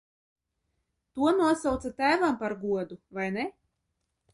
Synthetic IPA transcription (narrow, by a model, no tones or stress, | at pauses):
t̪uɔnuɔsawt̪sat̪æːvampaɾɡuɔd̪uvajne